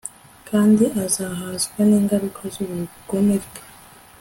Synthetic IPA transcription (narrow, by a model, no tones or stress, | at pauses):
kʰaːndiazaɦaːzɡwaneːŋɡaɾukʰazoβuɾiukomeɾɡḁ